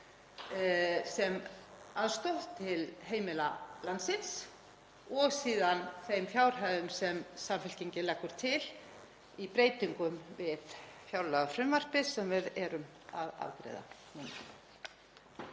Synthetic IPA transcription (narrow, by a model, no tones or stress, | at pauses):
sɛmaðst̪owht̪ʰːɪlɦeːjmɪlalansɪns | ɔɣsiːðanθejmfjawɾ̥ɦaðʏmsɛmsamfɛl̥ceɲcɪlɛkːʏɾ̥t̪ʰɪl | ipɾeːjt̪iŋkʏmvɪðfjawlœɣafɾɛmvar̥pɪsɛmvɪðɛɾʏm | aða̰ðkɾɛ̰ːða̰ | nun